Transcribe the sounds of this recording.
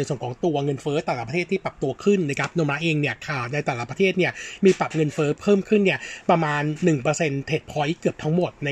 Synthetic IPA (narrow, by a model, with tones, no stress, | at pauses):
jsu˨˩nkʰːŋt̪u˧ɐŋɤ˧nfɤː˦˥t̪ɛː˨˩la˦˥˩pɾʰeː˥˩t̪ʰːiː˥˩pɾa˨˩p̚t̪u˧ɐkʰɯ˥˩nːa˧˥˩kʰa˦˥p̚no˧mɾa˦˥ʔeː˧ŋni˥˩ɐkʰaː˨˩t̪̚na˧jt̪ɛː˨˩la˦˥˩pɾa˧t̪ʰeː˥˩t̪̚ni˥˩ɐmiː˧pɾa˨˩p̚ŋɤ˧nfɤː˦˥pʰɤː˥˩mkʰɯ˥˩nːi˥˩ɐpɾa˧maː˧nːɯ˨˩ŋpɤː˧se˧nt̪ʰe˨˩t̪̚pʰɔ˧˦˥jkɯ˨˩əp̚t̪ʰa˦˥ŋmo˨˩t̪̚na˧